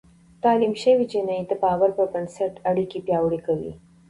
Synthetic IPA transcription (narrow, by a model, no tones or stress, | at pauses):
t̪ɑlimʃəwid͡ʒɪnaid̪əbɑːwaɾpəbənsəɾʈaɽikipjɑwɽikawḭ